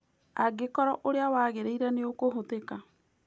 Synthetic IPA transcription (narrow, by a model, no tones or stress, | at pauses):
aɡekɔɾɔʔoɾeawaːɣeɾeiɾaneokoɦoteka